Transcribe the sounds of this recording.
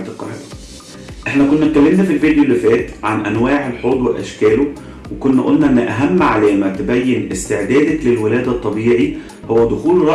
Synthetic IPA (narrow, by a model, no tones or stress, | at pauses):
t̪eqːɑ̰ɾḛːɑ | ʔeħnækonːæt̪̚kːælːemnæfilvid̪jolːifɛːt̪ʕanʔænwaːʕelħoːd̪ˤweʔæʃkæːlo | wekonːæʔo̰lːnæʔenːʔæɦæmːʕalæːmæt̪ebæjːenʔest̪eʕd̪æːd̪æklelwelæːd̪æt̪ˤːɑbiːʕi | howːæd̪oxuːlɾˤɑ